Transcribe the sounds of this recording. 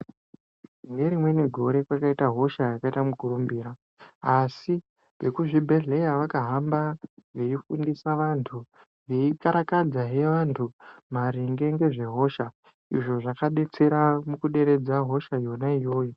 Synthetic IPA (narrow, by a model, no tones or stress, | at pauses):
ŋɡe̞ɾimwe̞ne̞ɡʱo̞ɾe̞kwakaitaɦo̞ʃajakaitamuɡʱurumbiːɾaː | si | ʋe̞kuʐibʱe̞ɮe̞jaʋakaɦambaʋeifundisaʋantʰu | ʋeikaɾakad͡zaɦe̞ʋantʰumaɾiŋɡe̞ŋɡe̞ʐe̞ɦo̞ʃa | ḭʐo̞ʐakaɗe̞t͡se̞ɾamukuɗe̞ɾe̞d͡zaɦo̞ʃajo̞naijo̞ːjo